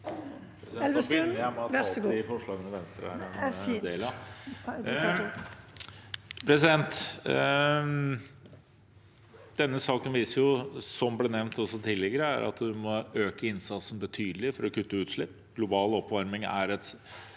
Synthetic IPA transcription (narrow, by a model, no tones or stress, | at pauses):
ɛlmɪfɔʂɭɑːɡənəʋɛnst̪ɾə̰ | d̪eːlɑ | pʰɾɛsɪd̪ɛnt̪ | d̪̥ɛnːəsɑːkənʋiːsəɾjʊsɔmbleːnɛʋnt̪ɔsɔt̪ʰɪlːɪɡəɾəæ̰ɾʔɑ̰t̪d̪ʉmɔøːkəɪnsɑt̪sən̩bət̪ʰyːd̪əlɪfɔɾɔkʉt̪ːəʉːt̪ʂlɪpː | ɡ̥lʊbɑːlɔpːʋɑɾmɪŋæ̰ɾɛt̪